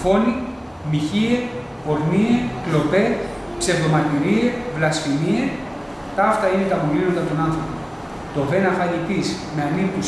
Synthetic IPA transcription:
fo̞ni | miçie | po̞ɾnieklo̞pe̞ | pse̞vðomɐt̪iɾievlɐsfinie | t̪ɐft̪ɐine̞t̪ɐmolinot̪ɐt̪onɐnθɾopo | t̪o̞venɐfɐlipismeɐnint̪us

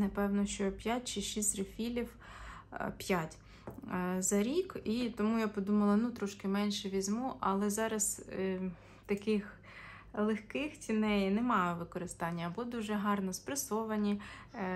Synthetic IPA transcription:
nɐpɛwnɔʃt͡ʃɔpʲjat̚ʲt͡ʃɪʃisʲt̪ɾɪfʲilʲiw | pʲjatʲ | zɐɾʲikit̪ɔmujapɔd̪umɐlˠɐnut̪ɾɔʃkɪmɛnʲʃɛʋʲizʲmuʔɐlˠɛzɑɾɐs | t̪ɐkɪx | lˠexkɪxt͡sʲinɛjnɛmɑjʋɪkɔɾɪst̪ɑnʲːɐːbɔd̪uʒɛɦɑrnɔspɾɐsɔʋɐnʲi

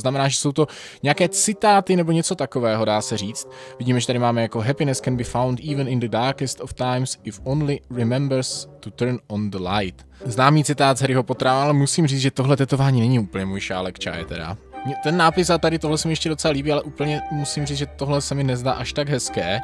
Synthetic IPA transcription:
znamɛnaːʒɛsowt̪o̞ | ɲɛjakɛːt͡sɪt̪aːt̪ɪnɛboɲɛt͡so̞t̪ako̞vɛːɦo̞daːsɛriːt͡st̪̚vɪɟiːmɛʒɛt̪aɾɪmaːmɛjako̞ɦɛpɪnɛskɛnbifawndiːvənɪnd̪ədaɾkɛst̪oft̪ajmsɪfʔownlɪɾɪmɛmbəɾst̪ut̪əɾnond̪əlajt̪ | znaːmiːt͡sɪt̪aːt̪zɛɾɪɦo̞pot̪ɾaːvaːmalɛmusiːmriːt͡sʒɛt̪o̞ɦlɛt̪ɛt̪o̞vaːɲiːnɛɲiuːpl̩ɲɛmujʃa̰ːlɛkt͡ʃa̰ːjɛ̰t̪ɛ̰da̰ɲɛt̪ɛnːaːpɪsat̪adɪt̪oɦlɛsɛmɪjɛʃcɛdot͡sɛlaliːbiːalɛʔuːpl̩ɲɛmusimriːt͡sʒɛt̪o̞ɦlɛsɛmɪnɛzda̰ːʔaʃt̪aɡɦɛskɛː

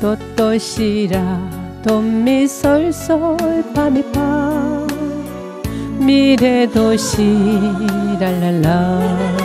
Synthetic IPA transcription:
t̪ɔt̪ːɔɕiɾa | t̪omisɔɾsɔjpamipa | miɾed̪oɕi | ɾalala

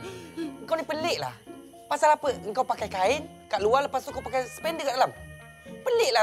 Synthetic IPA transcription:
əŋkawnipəlɪʔla̰h | pasalapəʔəŋkawpakajkaɪn | kaʔlualəpast̪uŋkawpakajsə̥pɛndəkaʔdalam | pəlɪʔla

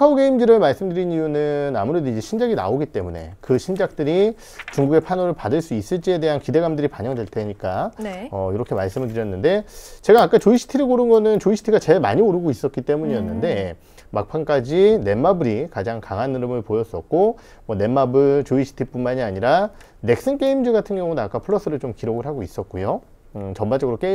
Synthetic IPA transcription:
kʰaoɡe̞imdɯɾɯɭmaɭs͈ɯmdɯɾinijunɯna̰muɾe̞doid͡ʑe̞ɕʰind͡ʑaɡina̰oɡit͈e̞mune̞̰kɯɕʰind͡ʑak̚t͈ɯɾi | t͡ɕuŋɡuɡe̞pʰanoɾɯɭpadɯɭs͈uis͈ɯɭt͡ɕ͈ie̞de̞ɦankide̞ɡamdɯɾipaɲʌŋdwe̞ɭtʰe̞ɲik͈aeʌiɾʌkʰe̞maɭs͈ɯmɯɭdɯɾjʌnːɯnde̞t͡ɕe̞ɡaːk͈at͡ɕoiɕʰi̥tʰiɾɯkoɾɯnɡʌnɯnt͡ɕoiɕʰi̥tʰiɡat͡ɕe̞ɭma̰ɲioɾɯɡois͈ʌt̚k͈it͈e̞muɲijʌnːɯnde̞ | mak̚pʰank͈ad͡ʑine̞mabɯɾikad͡ʑaŋkaŋɦanɯɾɯmɯɭpojʌs͈ʌt̚k͈o | mwʌne̞mːabɯt͡ɕoiɕʰi̥tʰip͈unmaɲiaɲiɾa | ne̞k̚s͈ɯnk͈eimd͡ʑɯɡatʰɯnɡjʌŋunaːk͈apʰɯɭːʌs͈ɯɾɯɭt͡ɕomkiɾoɡɯɭɦaɡois͈ʌt̚k͈ojo | ɯt͡ɕʌmbad͡ʑʌɡɯɾok͈ei

